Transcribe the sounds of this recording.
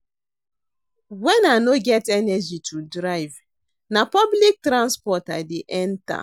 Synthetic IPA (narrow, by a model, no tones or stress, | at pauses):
wɛ̃nanoɡɛtɛnɛd͡ʒitʰudɹaɪv | napɔblik̚tɾãnspɔtadeʔɛ̃nta̰